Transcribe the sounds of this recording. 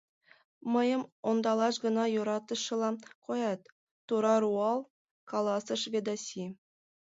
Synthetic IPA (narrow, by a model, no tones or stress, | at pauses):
mɤ̆jɤ̆mond̪ɑlˠɑʃɡɤ̆nɑjuɾɑt̪ɤ̆ʃːɤ̆lˠɑkojɑt̪ː | uɾɑruɑlˠ | kɑlˠɑsɤ̆ʂvʲed̪ɑsʲi